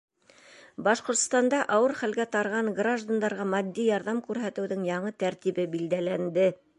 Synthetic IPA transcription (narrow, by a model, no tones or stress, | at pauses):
bɑʃqŏɾt̪st̪ɑnd̪ɑʔɑwɤɾχælɡæt̪ɑɾʁɑŋɡraʒd̪and̪ɑɾʁɑmɑd̪ːijɑɾðɑmkʉɾɦæt̪ɘ̆wðɘŋjɑɴɤt̪æɾt̪iβɘbild̪ælænd̪ɘ